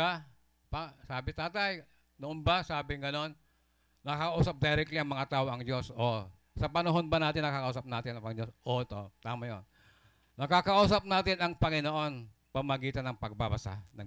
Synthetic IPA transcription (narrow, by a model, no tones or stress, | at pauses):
a | pasaːbɪt̪aːt̪ɐj | noʔonbasaːbɪŋɡɐno̞nː | ɐkɐkɐʔuːsɐp̚d̪ɛɾɛk̚t̪liɐŋmɐŋat̪aːʔoɐŋd͡ʒo̞so | sɐpɐnɐɦo̞nbɐnaːt̪ɪnːɐkakɐʔuːsɐp̚naːt̪ɪnɐŋpɐŋd͡ʒosʔot̪ot̪aːmajo̰n | nɐkakɐʔuːsɐp̚naːt̪ɪnɐŋpɐŋɪnoʔo̞n | pɐmɐɡiːt̪ɐnɐŋpɐɡ̚babɐsa̰nɐ